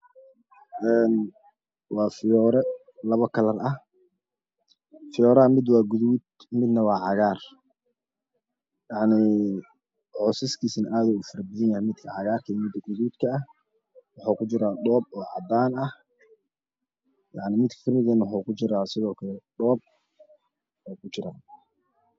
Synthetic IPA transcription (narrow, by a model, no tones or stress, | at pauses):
ʔɛːn | wɑːfɪjɔːɾɛ | lɐβɐkʰɐlɐrɐh | fɪjɔːɾaːmɪd̪wɑːɡʊðuːd̪ | mɪd̪nɐwɑːʕɑɣaːr | jɑʕnɪ | ʕɔːsɪskʰiːsnɐʔaːðɛuːfɐɾɐbɐðɪnjɐhɛmɪd̪kʰɐʕɑɣaːrkʰɐmɪd̪ɐɡʊðuːd̪kʰɐːh | wɑħuːkʰʊt͡ʃɪɾaːɖɔːb̚ɔːʕɑ̰d̪aːnɐh | jɑʕnɪmɪd̪kʰɐ̥kʰɐmɪðɛnwɑħuːkʰʊt͡ʃɪɾaːsɪðɔːkʰɐlɛɖɔːb̚ | ɔːkʰʊt͡ʃɪɾa̰ː